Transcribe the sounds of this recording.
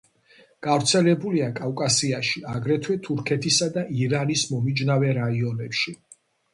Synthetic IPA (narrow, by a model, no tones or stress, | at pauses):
ɡ̥avɾt̪sʰɛlɛbuliakʼavkʼasiaʃiaɡɾɛt̪ʰwɛt̪ʰuɾkʰɛt̪ʰisad̪aʔiɾanismɔmid͡ʒnavɛɾaiɔnɛpʃi